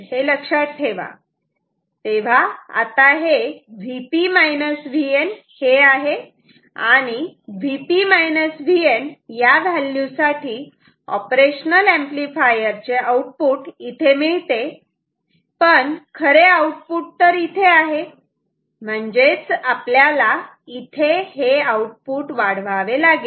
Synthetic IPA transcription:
ɦeləkʂat̪ʈʰːeʋa̰ | t̪eʋ̤aa̰t̪aɦeʋipimajnəsʋien | heaɦe | aɽ̃iʋipimajnəsʋienjaʋʱalːjũsaʈʰiː | ɔ̰pɾeɕnəlẽmplifajəɾt͡seauʈ̚puːʈit̪ʰemiɭt̪e | pəɳkʰəɾeauʈ̚puʈ̚t̪əɾit̪ʰeaɦe | m̤əɳd͡ʑet͡sapljala | it̪ʰeheauʈ̚puːʈʋaɽ̤ʋaʋelaɡi

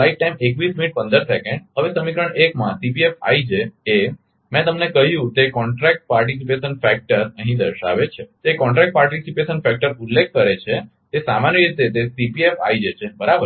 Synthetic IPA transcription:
laiʈ̚ʈajmekʋisminiʈ̚pə̃nd̪əɾsɛkẽɳɖɦəʋesəmikɾə̃ekmã̰sipiefa̰id͡ʒee | mɛ̃t̪əmnekəɦjũt̪ekɔɳʈɾɛk̚ʈ̚paɾʈis̬ipeʃənfɛk̚ʈəɾə̃ɦĩd̪əɾʃa̰ʋet͡ʃʰet̪oekɔ̃ɳʈɾɛk̚ʈ̚paɾʈisipeʃənfɛk̚ʈəɾulːek̚ʰkəɾet͡ʃʰe | t̪esamanjəɾit̪et̪esipiefa̰id͡ʒet͡ʃʰebəɾabə

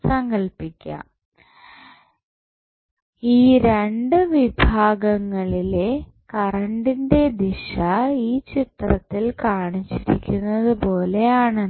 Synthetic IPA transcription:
sɐŋɡɐɭpikʲːɐ̰ | iːɾe̞ɳɖɨʋibʱaːɡɐŋːɐɭile̞ | kɐrɐɳɖinde̞d̪iɕɐiːt͡ɕit̪rɐ̰t̪ːilkaːɳit͡ɕːiɾikʲːunːɐðɨpo̞ːle̞jaːɳe

